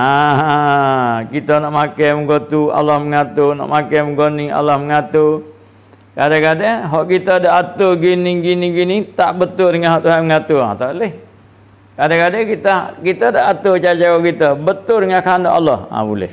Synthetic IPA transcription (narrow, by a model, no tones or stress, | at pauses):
a | kit̪ənaʔmakajməɡot̪ua̰lahməŋat̪ona̰ʔmakajməɡonia̰lahməŋat̪o | kadakadəɦɔʔkit̪ədaʔat̪oɡinɪŋɡinɪɡinit̪aʔbət̪ʊldəŋanɦɔʔt̪uɦanməŋat̪ua̰t̪alɪh | kadakadakit̪əkit̪ədaʔat̪ot͡ʃad͡ʒaɔʔkit̪əbət̪ʊldəŋankandoʔalɔhã̰bulɛ̰h